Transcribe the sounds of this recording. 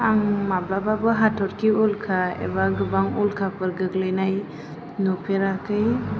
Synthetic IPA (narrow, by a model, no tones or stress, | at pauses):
aŋmablababɯɦatʰɔɾkʰiulkʰaḛbaɡɯbaŋulkʰapɯɾɡɯɡlɯjnaj | nupʰeɾakɯj